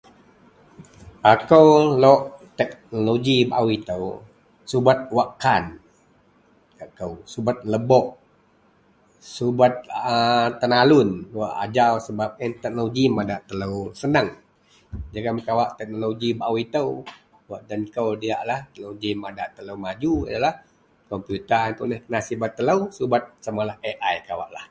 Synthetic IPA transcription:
ʔakəwloʔt̪ɛk̚noloɡibaʔwit̪əw | subat̪̚waʔkːan | kakəwsubat̪̚ləbɔʔ | subat̪̚ət̪ːənalʊnwaʔa̰d͡ʒawsəbap̚ənt̪ɛk̚noloɡimadaʔt̪ələwsənəŋ | d͡ʒaɡamkawaʔt̪ɛk̚noloɡibaʔuwit̪əw | waʔdankəwdiaʔlaht̪əloɡimadaʔt̪ələwmad͡ʒua̰dalah | kɔmpjut̪ənt̪unəhnasibat̪ːələwsubat̪̚samalaheʔajkawa̰ʔla̰h

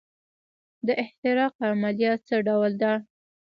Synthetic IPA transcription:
d̪əʔɪht̪ɪɾɑqamalijɑt̪̚t͡səɖawld̪a

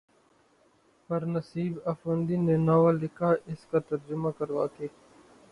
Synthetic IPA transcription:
pɐɾnɐsiːbɐfənd̪iːnenaːwaːlɪkʰaːɪskat̪ɐɾd͡ʒʊmakɐɾʋa̰ːkeː

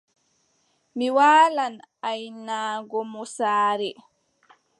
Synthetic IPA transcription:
miwaːlanajnaːɡɔmɔsaːɾɛ

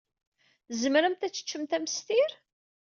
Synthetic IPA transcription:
zmɾæmt̪æt͡sːə̥t͡ʃːəmt̪æməst̪iɾ

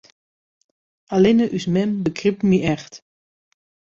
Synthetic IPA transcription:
alɪnəʔysmɛmbəkripmiɛxt

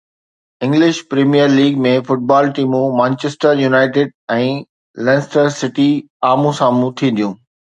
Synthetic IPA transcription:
ɪ̃ŋɡlɪʃpɾiːmijəɾliːɡmẽfʊʈ̚baːlʈiːmũmãːnt͡ɕesʈəɾjunaːɪʈɪɖ̚ɛ̃ː | lɛ̃ːnsʈəɾsɪʈi | aːmũsãːmũt̪ʰĩd̪ijũː

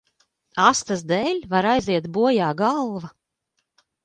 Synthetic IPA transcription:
ast̪asd̪eːlʲvaɾajziɛt̪buɔjaːɡɑlˠva

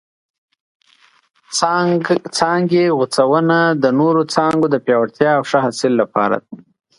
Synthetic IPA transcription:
t͡sɑŋɡeɣʊt͡sawənad̪ənoɾot͡sɑŋɡod̪əpjɑwaɽt̪jɑːwʂaɦasɪlːapɑ̰ɾa̰d̪

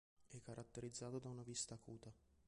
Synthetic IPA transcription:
ɛkːaɾʔat̪ːeɾid̪zːaːt̪od̪aunavist̪aːkuːt̪a

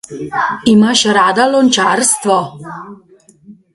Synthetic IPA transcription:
imaʃɾaːd̪alɔnt͡ʃaɾst̪ʋɔ

